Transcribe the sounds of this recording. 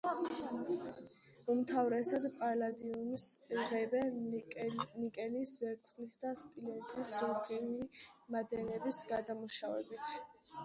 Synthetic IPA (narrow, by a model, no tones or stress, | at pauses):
umt̪ʰavɾɛsad̪pʼalad̪iunsʁɛbɛn | nikʼɛlisvɛɾt̪sʰʼχlit̪ʰd̪aspʼilɛnzʼisɔpʰilimad̪ɛnɛbisɡad̪amuʃavɛ̰bit̪ʰ